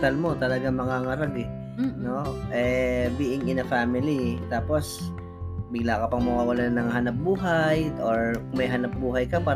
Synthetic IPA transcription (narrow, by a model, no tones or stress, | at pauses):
t̪ɐlmo̞t̪ɐlɐɡaŋmɐŋaːŋɐɾaɡɛ | noʔɛbiːʔɪŋɪnɐfaːmɪlit̪aːpo̞s | bɪɡlaːkɐpɐŋmɐkaʔʊlɐnɐŋɦɐnap̚buːɦajʔoɹmɐjɦɐnap̚buːɦɐjkɐpaːɾ